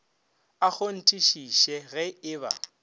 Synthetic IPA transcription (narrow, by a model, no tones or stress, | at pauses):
ak͡xon̩tʼiʃiʃɛɣɛɪːba̰